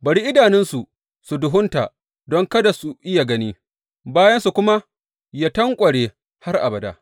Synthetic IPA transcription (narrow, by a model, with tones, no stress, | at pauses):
bɐ˨ɽiː˦ʔɪ˦daː˨nɪ˦nsu˨ | su˨dʊ˨ɦʊ˦nta̰˨ʔ | dɔ˦ŋkɐ˦da˨su˨ʔɪ˦ja˨ɡɐ˦niː˦ | baː˦jɐ˦nsu˨kʷʊ˦ma˦ | ja˦tɐ˦ŋkʷʼɐ˨ɽe˨ | ha˦rʔa̰˨bɐ˨da̰ː˨